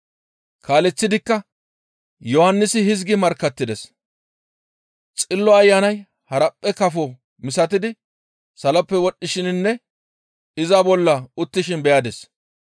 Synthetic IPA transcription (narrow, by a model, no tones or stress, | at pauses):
kʰaːlɛt͡sːɪd̪ɪkːɐ | jɔhɐnːɪsɪhɪzɡɪmɐɾkːɐt̪ːɪd̪ɛs | t͡sʼɪlːɔɐjːanɐj | hɐɾɐpʼːɛkɐfɔ | mɪsɐt̪̬ɪd̪ɪ | sɐlɐpːɛwɔɗːɪʃɪnnːɛ | ɪzabɔlːɐʊt̪ːɪʃɪnbɛjaːd̪ɛs